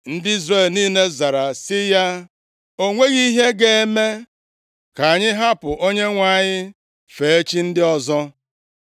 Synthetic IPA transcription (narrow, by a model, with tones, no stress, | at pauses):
n̩˦dɪ˦i˦zre˦˨lniː˦ne˦za˨ɾa˨sɪ˦ja˦ | o˦ŋʷe˦ɣi˦ɦe˦ɡe˨e˦me˦ | ka˨a˨ɲɪ˦ɦa˦pʊ˨ʔo˦ɲe˦ŋʷa˨˦˨ɲɪ˦ | fe˨e˦t͡ʃi˦n̩˦dɪ˦ɔ˦zɔ˦